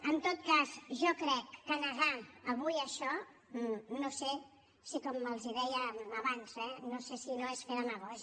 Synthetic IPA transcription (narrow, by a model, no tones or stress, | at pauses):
ənt̪ot̪̚kazʒɔkɾɛkːənəɣaəβujəʃɔ | nose | sikɔmːəlˠziðɛjəməβanz̥ɛnosesinoesfeɾəməɣɔz